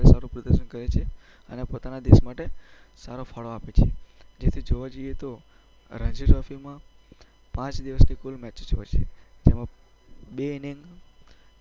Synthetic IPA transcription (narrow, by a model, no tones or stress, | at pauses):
esaɾũpɾəd̪əɾʃənkəɾet͡ʃʰe | ə̰nepot̪anad̪eʃmaʈe | saɾofʰaɭoapet͡ʃʰed͡ʒet̪ʰid͡ʒoʋad͡ʒoijet̪o | ɾə̃ɲd͡ʒiɾɔfimã | pãt͡ʃd̪iʋəsnikulmɛt͡ʃt͡ʃoʋḛt͡ʃʰḛd͡ʒemã | beniŋɡ